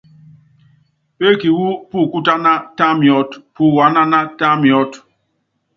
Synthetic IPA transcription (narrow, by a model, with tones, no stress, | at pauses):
pe˦ki˨wu˦pu˦˨ku˦ta˦na˦ta˦mi˨ɔ˦tpu˦˨wa˨˦na˦na˦ta˦mi˨ɔ˦t